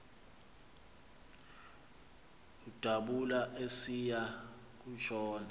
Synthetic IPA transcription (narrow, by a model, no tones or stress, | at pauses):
ud̥ʱaɓulaʔesija | k̬uʃɔːna